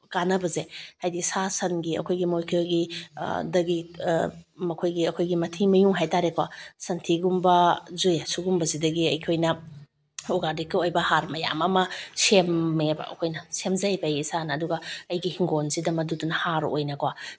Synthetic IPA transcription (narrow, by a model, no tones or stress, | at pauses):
kanɐbɐzehajdisasɐnɡiɐ̰kʰojɡimojkʰeɡidɐɡi | mɐkʰojɡiɐkʰojɡimɐtʰimɐjuŋɦajtaɾekʰwa̰sɐntʰiɡumbɐzujasuɡumbɐzidɐɡiɐjkʰojnɐ | oɡaɾdikːiojbɐhaɾmɐja̰mɐmɐsemːebɐ̰ɐ̰kʰojnɐsemzɐjbɐjisanɐːduɡɐɐjɡihiŋɡonsidɐmɐdudunɐhaɾo̰jnɐkwa